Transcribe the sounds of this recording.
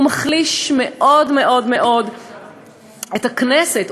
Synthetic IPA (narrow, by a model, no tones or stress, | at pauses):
maχliʃmeʔo̞dmeʔo̞dme̞ʔo̞d | etakneset